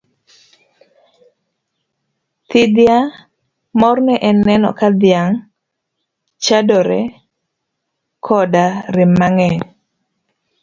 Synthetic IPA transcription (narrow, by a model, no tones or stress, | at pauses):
t̪ɪd̪ja | mɔrnɛʔɛnːɛnɔ̰kad̪jaŋ | t͡ʃadɔɾɛ | kʰɔdaɾɪmaŋɛ